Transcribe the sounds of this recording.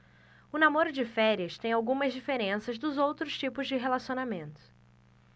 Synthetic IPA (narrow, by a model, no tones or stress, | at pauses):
ʊnamoɾʊd͡ʒɪfɛɾiɐst̪ẽj̃awɡũmɐzd͡ʒifeɾẽsɐzd̪ʊzowt̪ɾʊʃt͡ʃipʊzd͡ʒɪɦelasionamẽnt̪ʊ̥